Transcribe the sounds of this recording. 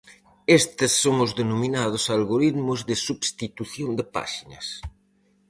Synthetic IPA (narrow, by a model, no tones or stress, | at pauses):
est̪ɪsːoŋʊzðenomĩnað̞ʊsalɣoɾit̪mʊzðɪsubst̪it̪uθjond̪ɪpa̰ʃinɐ̰s